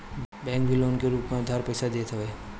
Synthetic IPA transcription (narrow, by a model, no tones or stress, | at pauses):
bɛ̃ːŋk̚bʱɪloːnkeɾuːpmẽd̪ʱaːɾpɛːsad̪eːt̪ʰɦəʋeː